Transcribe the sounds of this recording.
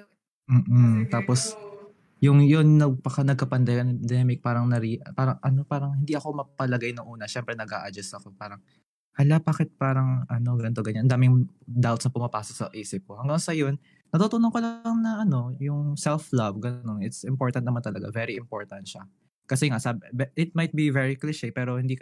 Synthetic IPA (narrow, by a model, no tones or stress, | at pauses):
m̩ːʔm̩t̪aːpos | jʊŋjʊnnɐɡ̚pɐkɐnɐɡ̚kɐpɐnd̪ɛjɐnp̪d̪ɛmɪk̚paːɾɐŋnɐɾipaːɾɐŋʔɐno̞paːɾɐŋhɪnd̪iʔɐko̞mɐpɐlɐɡajnɐŋʔuːnɐʃɛmpɾɛnɐɡʔa̰ːʔɐd͡ʒɐst̪ɐkopaːɾɐŋ | hɐlabaːkɪt̪̚paːɾɐŋʔɐno̞ɡɛnt̪oɡɐɲanɐnd̪aːmɪŋ | d̪awt̪snɐpʊmɐpaːsok̚sɐʔiːsɪp̚kohɐŋɡaŋsɐjon | nɐt̪uːt̪onoŋkolɐŋnɐʔɐno̞jʊŋsɛlflɐvɡɐno̞nɪt̪sɪmpo̞ɹt̪ɐnnɐmant̪ɐlɐɡa̰vɛɾiɪmpo̞ɹt̪ɐnʃa | kɐsɛŋasabbɛʔɪt̪̚mɐjt̪̚bivɛɹiklɪʃepɛːɾo̞hɪnd̪iːk